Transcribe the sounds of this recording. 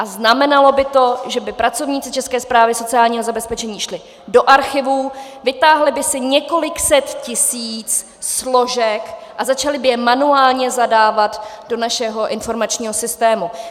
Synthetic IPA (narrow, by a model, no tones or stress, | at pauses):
ʔaznamɛnalo̞bɪt̪o̞ʒɛbɪpɾat͡so̞vɲiːt͡sɪt͡ʃɛskɛːspɾaːvɪso̞t͡sɪaːlɲiːɦo̞zabɛspɛt͡ʃɛɲiːʃlɪ | do̞ʔaɾxɪvuːvɪt̪aːɦlɪbɪsɪɲɛko̞lɪksɛt̪cɪsiːt͡s | slo̞ʒɛkʔazat͡ʃalɪbɪjɛmanuaːlɲɛzadaːvat̪do̞naʃɛɦo̞ʔɪnfo̞ɾmat͡ʃɲiːɦo̞sɪst̪ɛːmu